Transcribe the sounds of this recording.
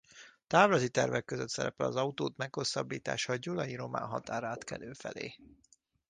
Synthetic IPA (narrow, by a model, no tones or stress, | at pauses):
t̪aːvlɒzit̪ɛrvɛkːøzøt̪sɛɾɛpɛlɒzɒut̪oːt̪mɛkho̞sːɒbːiːt̪a̰ːʃɒɟulɒjiɾo̞ma̰ːnɦɒ̰t̪aːɾaːt̪kɛløːfɛlḛː